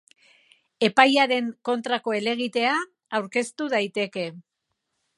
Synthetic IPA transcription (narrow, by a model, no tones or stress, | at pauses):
e̞pajaɾe̞ŋko̞nt̪ɾako̞e̞le̞ɣ̞it̪e̞aː | wɾke̞st̪uð̞ajt̪e̞ke̞